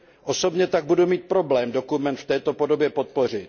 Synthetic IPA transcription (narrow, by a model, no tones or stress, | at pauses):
ʔo̞sobɲɛt̪aɡ̚budumiːt̪̚pɾo̞blɛːmdo̞kumɛnt̪ft̪ɛːt̪o̞po̞do̞bjɛpot̪̚po̞r̝ɪt̪